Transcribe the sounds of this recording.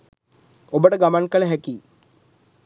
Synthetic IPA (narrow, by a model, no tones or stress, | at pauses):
obəʈəɡamankəɭəɦækiː